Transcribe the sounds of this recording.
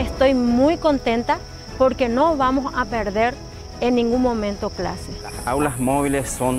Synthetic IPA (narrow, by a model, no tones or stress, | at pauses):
est̪o̞jmujko̞nt̪ent̪a | poɾkeno̞βamosapeɾðeɾ | enːĩŋɡunmːõ̞mẽnt̪okla̰se | awlasmoβilesːon